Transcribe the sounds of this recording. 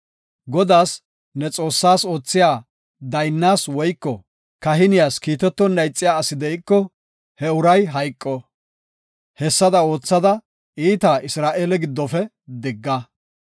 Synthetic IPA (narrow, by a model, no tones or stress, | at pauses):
ɡɔd̪aːs | nɛt͡sʼo̞ːsːaːso̞ːt͡sːɪjaː | d̪ɐjnːaːswɔjkːɔ | kɐɦɪnɪjaːskiːt̪ɛt̪ːɔnːɐjt͡sʼːɪjaːsɪd̪ɛɪkːɔ | hɛʊɾɐjɦɐjkʼːɔ | hɛsːɐd̪ɐo̞ːt͡sːɐd̪ɐ | iːt̪aʔɪsɾaːʔeːlɛɡɪd̪ːɔfɛ | d̪ɪɡːɐ